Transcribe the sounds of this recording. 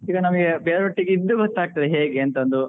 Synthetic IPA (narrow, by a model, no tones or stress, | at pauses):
iːɡɐnɐmɐɡebeːɭɐbɐʈːiɡid̪ːubɐt̪ːaːɡ̚t̪ɐd̪eɦeːɡeɐnt̪ɐnd̪u